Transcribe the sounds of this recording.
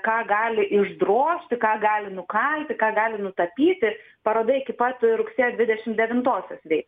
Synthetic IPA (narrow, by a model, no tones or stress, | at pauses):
kɑːɡɑːlʲɪʔɪʒd̪ɾoːʃʲt̪ʲɪkɑːɡɑːlʲɪnʊkɐlʲt̪ʲɪkɑːɡɑːlʲɪnʊt̪ɐpʲiːt̪ʲɪ | pɐɾoːd̪ɐɪɪkʲɪpɐt̪ɾʊksʲeːjoːd̪ʲʋʲɪd̪ʲɛʃʲɪmd̪ʲɛʋʲɪnt̪oːsʲoːsʋʲɛɪt̪ː